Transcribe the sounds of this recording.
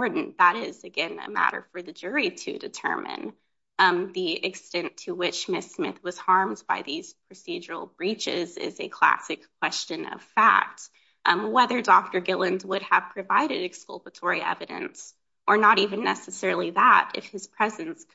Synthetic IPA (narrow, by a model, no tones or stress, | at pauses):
ɹdⁿn̩ðəɾɪzɨɡɛ̃nɨ̰mæ̰ɾə̰˞fə˞ðɨd͡ʒʊɹiɾɨ̰dɨtʰɜ̰̃˞mɨ̰̃n | ðiɨkstɛ̃ntʰɨwɪt͡ʃmɪsmɪ̰θwʌz̥hɑɹmdbaɪðiz̥pʰɹ̥ɨsid͡ʒə˞l̩ˠbɹit͡ʃɪ̰zɪ̰zɨ̰kʰl̥æ̰sɨkʰːw̥ɛst͡ʃɨ̃nʌ̰v̥fæ̰k̚t | wɛðə˞dɔk̚tə˞ɡɪlˠɨ̃nzwʊɾ̚əv̥pʰɹ̥ɨvaɪɾɨɾɨkskɔl̩ˠpətʰɔɹiʔɛ̰vɨɾɨ̰̃ns | ʔə˞nəɾivɨ̃nːɛsɨsɛɹl̩ˠiðə̰ɾɨ̰fhɨz̥pʰɹ̥ɛzɨ̃ns